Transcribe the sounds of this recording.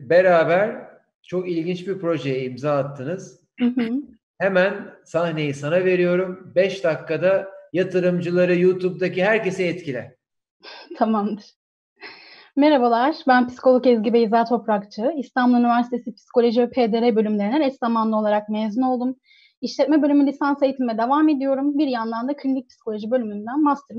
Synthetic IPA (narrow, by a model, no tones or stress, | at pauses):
be̞ɾaːbæɾ | t͡ʃʰo̞kilʲɟint͡ʃbiɾpɾo̞ʒejɛimzaːat̪ʰːɯnɯz̥̩ | ɦɯ | hemænsahne̞jisanave̞ɾijo̞ɾumbɛʃd̪akːad̪ajat̪ʰɯɾɯmd͡ʒɯlˠaɾɯjuːt̪ʰub̚d̪aciɦæɾce̞sɛɛt̪cilʲɛ | t̪ʰamamd̪ɯɾ̥ | meɾabalˠaɾ̥bænpi̥si̥ko̞lˠokɛzɟibɛizaːt̪ʰo̞pɾakt͡ʃʰɯist̪ʰanblˠunivæɾsit̪ʰe̞sipʰi̥si̥kʰo̞lʲo̞ʒivɛpʰed̪eɾɛbø̞lʲymlʲe̞ɾinɛnɛst̪amanlˠɯo̞lˠaɾak̚meːzuno̞lˠd̪um | iʃlʲɛt̪̚mɛbølʲymylʲisansejt̪ʰimɛd̪evame̞d̪ijo̞ɾumbiɾjand̪and̪acʰynlʲyc̚pʰi̥si̥kʰo̞lʲo̞ʒibø̞lʲymynd̪ænmast̪ʰɯɾ